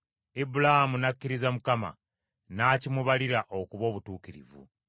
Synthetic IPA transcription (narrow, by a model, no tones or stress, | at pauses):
ibulahamunakːiɾizamukama̰ | naːcimuβaliɾaʔo̞kuβo̞ːβutuːkiɾḭvṵ